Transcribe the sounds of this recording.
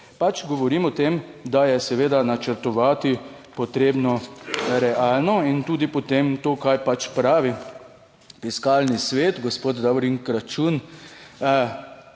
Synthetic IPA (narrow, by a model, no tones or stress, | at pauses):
pat͡ʃɡɔʋɔɾiːmɔt̪emd̪ajɛsɛʋeːd̪anat͡ʃəɾt̪ɔʋaːt̪i | pɔt̪ɾeːbnɔɾɛʔaːlnɔint̪uːd̪ipɔt̪emt̪oːkajpat͡ʃpɾaːʋi | fiskaːlnisʋeːt̪ɡɔspoːd̪d̪aʋɾiŋkɾat͡ʃun